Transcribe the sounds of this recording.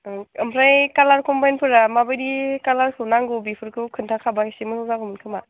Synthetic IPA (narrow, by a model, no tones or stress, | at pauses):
ɯmpʰɾajkalaɾkɔmbajnpʰɯɾamabɯjdikalaɾkʰɯwnaŋɡobipʰɯɾkʰɯwkʰɯntʰakʰabasimɯsɔzakʰɔmɯnkʰɯma